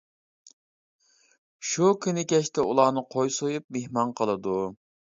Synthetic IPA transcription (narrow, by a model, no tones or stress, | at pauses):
ʃukʲʰynɪkʲɛʃt̪ʰɛulˠɑːnɨqʰojsojup̚mehmɑnqʰəlˠɨd̪u